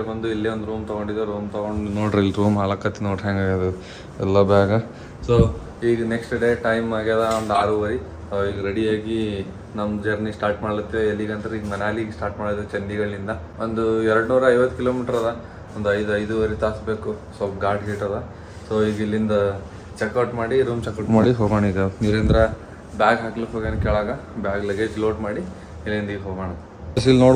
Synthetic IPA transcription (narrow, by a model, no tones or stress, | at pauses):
bɐnd̪uilːeond̪ɾuːnt̪ɔɡoɳɖid̪aɾont̪ɐɡoɳɖinoːɽɾilːɾuːmɦalɐkːɐt̪ːinoʈɦaːŋɡaːɡad̪ɐ | ɛlːɐbɛːɡɐ | soː | iːɡɐneksʈɖe̞ːʈɐjmaːɡjaːd̪ɐond̪aːɾuːʋɐɾi | oːiːɡɐɾeɽiaːɡi | nɐmd͡ʒɐɾnisʈaːɾʈmaːɽut̪ːiʋeelːiɡɐnt̪ɐɾiːɡɐmɐnaːliɡsʈaːɾʈmaːɽid̪ɐɾt͡ʃɐnːiɡɐɭːind̪ɐ | ʔond̪uɛɾɐɽnuːɾɐɐjʋɐt̪ːukiloːmiːʈɐɾɐd̪ɐ | ond̪uɐjd̪uɐjd̪uʋɐɾit̪aːsbe̞ːkusoːpɡaːɾɖɡiːʈɐd̪ɐ | soːiːɡilːind̪ɐ | t͡ʃɛkːɐwʈmaːɽiɾuːmt͡ʃɛkɐmaːɽiɦoːɡaːɳid̪ɐniɾend̪ɾɐ | bjaːɡɦaːkluɦoɡeːnkɛːɭaːɡɐ | bjaːɡlɐɡed͡ʒloːʈmaːɽi | ilːind̪iɡɦoːɡaɳɐd̪ː | ɐsilnoːɽ